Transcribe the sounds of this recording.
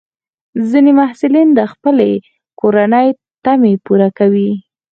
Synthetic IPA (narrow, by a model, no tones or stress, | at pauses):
zinemahsʊlind̪əxpəle | koɾanəj | t̪amepuɾakawi